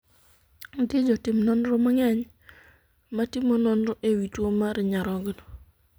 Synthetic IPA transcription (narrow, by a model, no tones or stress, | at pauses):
ɡɪd͡ʒɔtɪmnɔnɾɔmaŋɛɲ | matɪmonɔnɾɔʔewitwomaɾɪɲaɾɔɡno